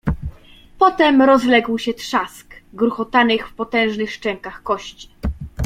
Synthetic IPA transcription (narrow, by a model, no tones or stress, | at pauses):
pɔt̪ɛmɾɔzlɛɡwɕɛt̪ʂaskɡɾuxɔt̪anɘxfpɔt̪ɛ̃w̃ʐnɘxʂt͡ʂɛŋkaxkɔɕt͡ɕi̥